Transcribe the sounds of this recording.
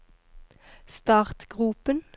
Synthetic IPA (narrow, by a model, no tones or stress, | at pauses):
st̪ɑːʁt̪ɡ̥ʁʉpən